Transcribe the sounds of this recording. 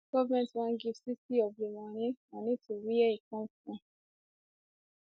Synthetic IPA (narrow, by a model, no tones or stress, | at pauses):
ɡ̥ɔvumɛ̃twãnɡifsisiɔblemãɾ̃ĩãnĩtiɾiɛikɔ̃kũ